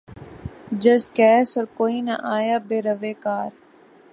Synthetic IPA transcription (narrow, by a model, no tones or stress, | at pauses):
d͡ʒəskɛːsɔɾkoːiːna̰ʔaːjaːbeːɾəʋeːkaːɾ